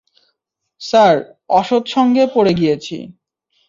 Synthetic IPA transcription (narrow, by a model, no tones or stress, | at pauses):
saɾ | ɔʃod̪ʃɔŋɡepoɽeɡijet͡ɕʰḭ